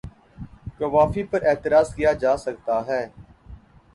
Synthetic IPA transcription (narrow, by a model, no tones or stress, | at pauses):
kɐʋaːfipɐɾeːt̪ɪɾaːzkijad͡ʒaːsɐk̚t̪aɦɛː